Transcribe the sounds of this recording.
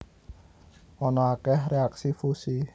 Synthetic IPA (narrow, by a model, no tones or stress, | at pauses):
ɔnɔakɛɦreaksifusi